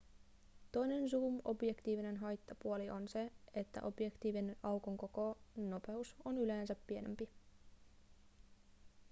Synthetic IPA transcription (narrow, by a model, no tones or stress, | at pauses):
t̪o̞jne̞ns̬uːmo̞̰bjekt̪iːʋine̞nɦɑjt̪ːɑpuoliʔo̞nse̞et̪ːæ̰ʔo̞bje̞kt̪iːʋinenʔɑwkoŋko̞ko̞no̞pe̞usonyleːnsæpːie̞ne̞mpi